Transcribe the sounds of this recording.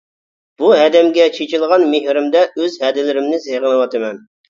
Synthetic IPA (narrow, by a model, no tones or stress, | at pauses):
b̥uɦɛd̪ɛmɡʲɛt͡ʃʰet͡ʃʰilˠʁɑnmeɦɾɪmd̪ɛʔøzhɛd̪ɪlɪɾɪmnɪseʁənɨwɑt̪ʰɨmɛn